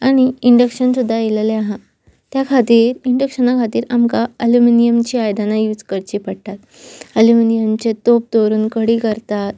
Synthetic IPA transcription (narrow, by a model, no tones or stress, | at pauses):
aɽ̃iiɳɖəkɕənsud̪ʱːajeleleaɦã | t̪jakʰat̪iːɾiɳɖəkɕənakʰat̪iːɾamkaəluminijəmt͡ɕiːajd̪anajud͡zkəɾt͡ɕiːpəɽʈ̪at̪ | əluminijəmt͡ɕet̪op̚t̪oɾuːnkəɽiːkəɾt̪at̪̚